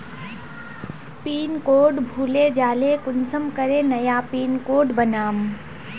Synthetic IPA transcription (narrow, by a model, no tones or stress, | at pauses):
piːnkoːɖbʱuːled͡ʒaːlekʊnsəmkəɾenɐjapiːnkoːɖbənaːm